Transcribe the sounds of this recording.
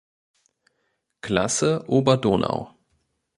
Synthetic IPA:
klasəʔoːbɐdoːnʔa̰ʊ

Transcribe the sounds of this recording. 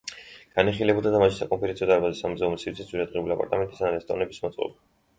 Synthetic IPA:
ɡ̥aniχilɛbulˠd̪ad̪amaʃi̥sakʼɔmpʰɛɾɛnsiɔd̪aɾbazɛsamzɛumɛsiɾt̪ʰɛszuɾad̪ʁɛuliapʼa̰ɾt̪ʼamɛnt̪ʼisanɾɛst̪ʼɔɾnɛbismɔt̪sʼqʼɔ̰ba

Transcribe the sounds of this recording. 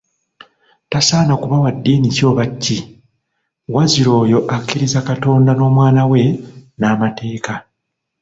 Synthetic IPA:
tasaːnakuβawadːiːnico̞ːβacʰːi | waziɾo̞ːjo̞ʔakːiɾizakato̞ːndano̞ːmwaːnawe̞naːmatʰe̞ːka

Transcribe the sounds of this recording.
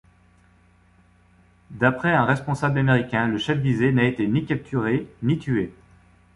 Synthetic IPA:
d̪apχɛɛ̃ʁɛspɔ̃sablameʁikʲɛ̃ləʃɛfvizenaet̪enikʲap̚t̪ʰyʁenit̪ye

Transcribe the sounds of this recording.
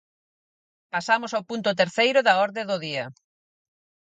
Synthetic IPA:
pasamosawpunt̪ʊt̪eɾθejɾʊðɐɔɾðeðʊðiɐ

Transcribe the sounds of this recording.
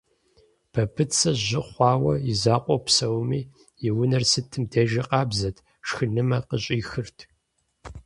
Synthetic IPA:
b̥ʰɐbʰɨt͡sʰɐʑɪχʷɑːwɐjɪzaːqʷʼɔpsɐwmiː | jɪwʊnɐrsɨtʰɨmdʰeʒɐqɑːbzɐtʰ | ʂxɨnɨmɐqəɕʼiːxɨrtʰ

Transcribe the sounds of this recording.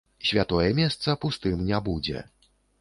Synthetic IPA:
sʲvʲat̪ɔjɛmʲɛst̪sɐpust̪ɨmnʲabud͡zʲɛ̰

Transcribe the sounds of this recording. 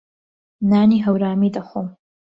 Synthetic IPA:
naːniɦawɾaːmidaχʷom

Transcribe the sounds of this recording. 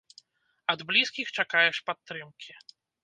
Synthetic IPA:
ɐd̪blʲiskʲixt͡ʂakajɛʂpat̪ːɾɨmkʲʰi

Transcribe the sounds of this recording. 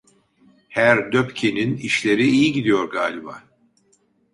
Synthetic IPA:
hæɾd̪øpcʰeniniʃlʲe̞ɾiijiɟid̪ijo̞ɾɡaːlʲiba̰ː

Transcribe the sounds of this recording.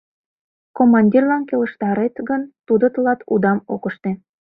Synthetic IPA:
komɑnʲdʲirlɑnkelə̆ʃt̪ɑɾet̪ɣənt̪ud̪ət̪əlɑt̪ud̪ɑmokəʃt̪e

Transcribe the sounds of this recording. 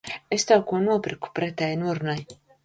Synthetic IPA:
est̪aːkuɔnuɔpɾiku̥pɾɛt̪ɛːjnuɔɾunaj

